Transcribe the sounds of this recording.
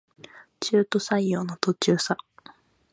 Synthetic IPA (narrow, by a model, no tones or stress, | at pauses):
t͡ɕɨːt̪o̞saijo̞ːnot̪o̞t͡ɕɨːsa